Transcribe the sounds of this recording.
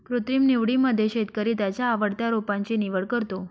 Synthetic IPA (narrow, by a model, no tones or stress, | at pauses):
kɾut̪ɾimniʋɽiməd̪ʱjeʃet̪̚kəɾit̪at͡ɕaːʋəɽt̪aɾopãnt͡ɕiniʋəɭkəɾt̪o